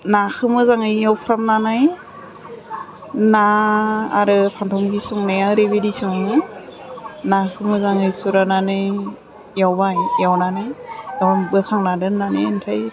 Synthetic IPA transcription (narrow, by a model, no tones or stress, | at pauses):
nakʰɯmɯzaŋɯjjawpʰɾamnanaj | na̰ː | ɾɯpʰantʰɔmɡisuŋnajaɾebedisuŋnɯj | nakʰɯmɯzaŋɯjsuɾananɯ | jawbajjawnanajabɯkʰaŋnadɯnanentʰaj